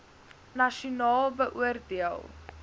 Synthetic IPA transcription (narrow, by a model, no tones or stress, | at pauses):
nɐʃunɑːlˠbəʔuərdiəlˠ